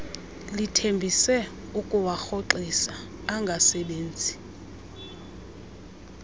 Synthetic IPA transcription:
litʰembʱisɛ | ukʼuwaxoǃisaː | ŋɡʱasɛɓeːnd͡zʱi

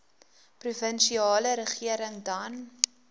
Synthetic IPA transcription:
pruvənʃiɑːləɾəχiəɾəŋdɐn

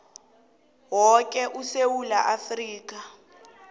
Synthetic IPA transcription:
wɔk̬ʼɛʔusewulaʔafriːk̬ʼa

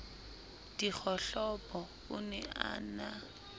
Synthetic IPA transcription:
d̥ik͡xʰɔɬɔpʼɔ | ʊnɛʔa̰ːna

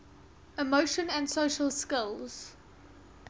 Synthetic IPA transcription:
ɪmoʊʃə̃nə̃nsoʊʃəlˠskɪlˠz̥

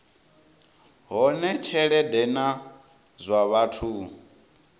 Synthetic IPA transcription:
ɦɔnɛt͡ʃʰɛɺɛdɛna | zʷaβatʰu

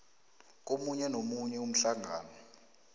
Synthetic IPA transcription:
k̬omuɲɛnomuɲɛum̩ɬaŋaːnɔ

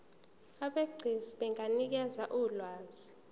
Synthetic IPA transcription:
aɓeɡ͡ǀʱiziɓeŋʱanik̬ɛzaʔulwaːzʱi

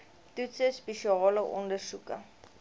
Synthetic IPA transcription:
tutsəspeʃiɑːləʔɔ̰ndərsukə

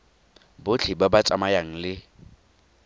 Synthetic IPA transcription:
bʊt͡ɬʰibabat͡sʼamajaŋ̩lɪ

